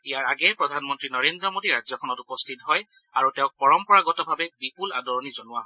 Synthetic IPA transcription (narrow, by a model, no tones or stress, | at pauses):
ijaɹaɡɛpɹɔdʱanmɔntɹinɔɹendɹɔmodiɹazɔkʰɔnɔtupɔst̪ʰitɦɔj | aɹutɛʊ̃k̚pɔɹɔmpɔɹaɡɔtɔbʱabɛbipula̰dɔɹɔnizɔnʊwaɔ